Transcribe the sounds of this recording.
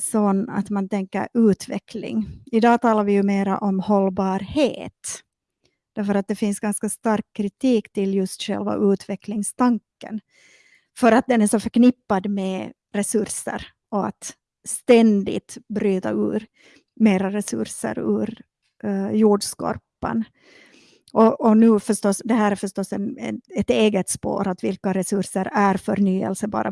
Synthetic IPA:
sɔnːa̰t̪mant̪ʰɛŋkːə̰ɾʉːt̪ʰvɛ̰klɪ̰ŋɪd̪ɑːt̪ʰɑːlaɾvɪjɵmeːɾa̰ʔɔmhɔlːbɑːɾheːt̪ | d̪̥æɾfœɾat̪̚d̪ɛfɪnsɡanskast̪aɾkkʰːɾɪt̪iːkt̪ɪljɵst̪ɧɛ̰lva̰ʔʉ̟ːt̪ʰvɛklɪŋst̪ʰaŋkːə̰n | fœɾat̪̚d̪ɛnæʂɔfœɾknɪpːad̪mɛ | ɾɛsɵɾʂə̰ɾ | ɔat̪ | st̪ɛnd̪ɪ̰t̪bɾyːt̪aʉ̰ːɾ | meːɾaɾɛsɵ̰ɾʂə̰ɾʉ̰ːɾ | juːɖskɔ̰ɾpːə̰n | ʔɔʔɔnʉ̟ːfœʂʈɔsd̪ɛɦæːɾæɾfœʂtɔsːɛnɛ̰ɛt̪eːɡət̪spo̰ːɾat̪vɪlkaɾɛsɵʂəɾæɾfœɾɳyːɛ̰lsəbɑ̰ːɾʔa̰

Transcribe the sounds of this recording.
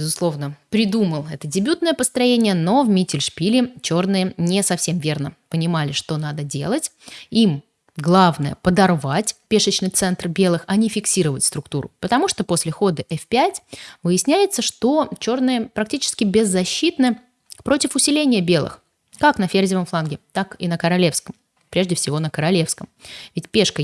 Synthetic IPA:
bʲɪzʊslˠo̞vnəpɾʲɪd̪uməlˠɛt̪ədʲɪbʲut̪nəjəpəst̪ɾɐjenʲɪjəno̞vmʲitʲɪlʲʂpʲilʲɪt͡ɕo̞rnɨjənʲɪsɐfsʲe̞mvʲe̞rnəpənʲɪmalʲɪʂt̪o̞nad̪ədʲe̞̰lˠətʲ | im | ɡlˠavnəjə̰pəd̪ɐrvatʲpʲeʂət͡ɕnɨjt̪sɛnt̪rbʲe̞lˠɨxɐnʲɪfʲɪksʲiɾəvətʲst̪ɾʊk̚t̪uɾʊ̰pət̪ɐmuʂt̪o̞po̞sʲlʲɪxo̞d̪əʔɛfpʲætʲvɨjɪsʲnʲæjɪt̪səʂt̪o̞t͡ɕo̞rnɨjəpɾɐk̚tʲit͡ɕɪ̥skʲɪbʲɪzːɐɕːit̪nɨ | pɾo̞tʲɪfʊsʲɪlʲenʲɪjəbʲe̞lˠɨ̰x | kaknəfʲerzʲɪvəmflˠanɡʲɪt̪akinəkəɾɐlʲe̞fskəm | pɾʲe̞ʐdʲɪfsʲɪvo̞nəkəɾɐlʲe̞fskəmvʲɪtʲpʲe̞ʂkə

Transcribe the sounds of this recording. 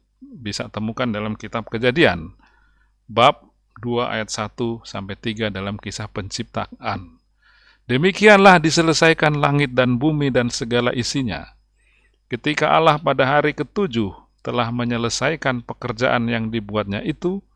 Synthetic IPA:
bisa̰t̪əmukandalamkit̪ap̚kəd͡ʒadian | bap̚ | duaʔa̰jat̪̚sat̪usampajt̪iɡadalamkisahpəɲt͡ʃip̚t̪aan | dəmikianlahdisələsajkanlaŋɪt̪̚danbumidansəɡala̰ʔisiɲa̰ | kət̪ikaʔalahpadaɦaɾikət̪ud͡ʒʊh | t̪əlahməɲələsajkanpəkərd͡ʒa̰ʔanjaŋdibuat̪̚ɲaʔit̪u

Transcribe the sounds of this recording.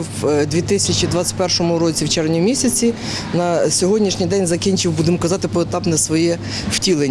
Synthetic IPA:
wd̪ʲʋʲit̪ɪsʲɐt͡ʃid̪ʋɑt̪t͡s̪ʲɐ̥t̚ʲpɛrʃɔmʊɾɔt͡sʲiwt͡ʃɛɾʋnʲimʲisʲɐt͡sʲi | nɐsʲɔɦɔdʲnʲiʃnʲijd̪ɛnʲzɐkʲinʲt͡ʃɪwbud̪ɪmkɐzɑt̪ɪpɔet̪ɑpnɛsʋɔjɛ | w̥tʲilˠenʲ

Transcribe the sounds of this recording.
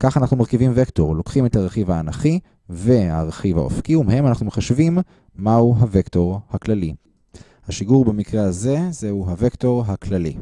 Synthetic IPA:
kaχanaχnumaʁkivimvekto̞ʁlo̞kχime̞thaʁeχivaːnaχi | ve̞aʁeχiva̰o̰fkiumeɦe̞manaχnumeχaʃvimː | auɦavekto̞ʁhaklali | haʃiɡuʁbemikʁeaze̞zehuɦavekto̞ʁɦaklalḭ

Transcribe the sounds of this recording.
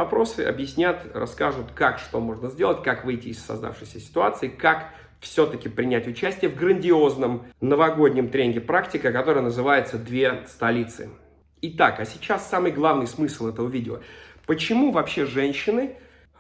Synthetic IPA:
ɐpɾo̞sɨ̰ɐ̰bjɪsʲnʲat̪rɐ̰skaʐʊt̪kakʂt̪o̞mo̞ʐnəzʲdʲe̞lˠətʲkakvɨjtʲɪːsːɐ̰zd̪a̰fʂɨjsʲəsʲɪ̥t̪ʊat̪sɨɪkak | fsʲot̪əkʲɪpɾʲɪnʲætʲʊt͡ɕæsʲtʲɪjəvɡɾənʲdʲɪoznəmnəvɐɡo̞dʲnʲɪmt̪ɾʲenʲɡʲɪpɾaktʲɪkəkɐt̪o̞ɾəjənəzɨvajɪt̪səd̪vʲe̞st̪ɐlʲit̪sɨ̰ | ɪt̪akɐsʲɪt͡ɕasːamɨjɡlˠavnɨjsmɨsʲlˠɛt̪əvəvʲidʲɪo̰pət͡ɕɪmuvɐpɕːe̞ʐɛnʲɕːɪnɨ

